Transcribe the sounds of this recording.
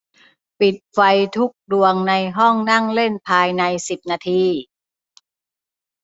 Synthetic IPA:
pi˨˩t̪̚fa˧jt̪ʰu˦˥k̚du˧əŋna˧jɦɔ˥˩ŋna˥˩ŋle˥˩npʰaː˧jna˧jsi˨˩p̚naː˧t̪ʰiː˧

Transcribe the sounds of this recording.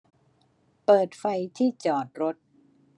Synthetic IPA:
pɤː˨˩t̪̚fa˧jt̪ʰiː˥˩t͡ɕɔː˨˩t̪̚ɾo˦˥t̪̚

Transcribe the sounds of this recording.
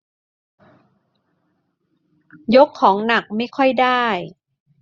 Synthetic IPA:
jo˦˥kʰːɔː˩˦ŋna˨˩k̚ma˥˩jkʰɔ˥˩jdaː˥˩j

